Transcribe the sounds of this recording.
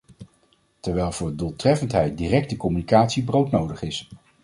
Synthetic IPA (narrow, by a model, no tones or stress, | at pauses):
tɛɹʋɛjlˠv̥ʊːɹdulˠtrɛfəntɦɛjt̚dirɛk̚təkɔmynikaːtsibrowtnowdəχɪs